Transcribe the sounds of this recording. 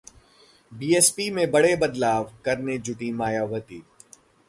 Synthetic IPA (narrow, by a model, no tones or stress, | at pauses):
biːeːspimẽbɐɽebɐd̪laːʋkɐɾned͡ʒʊʈimaːjaːʋət̪iː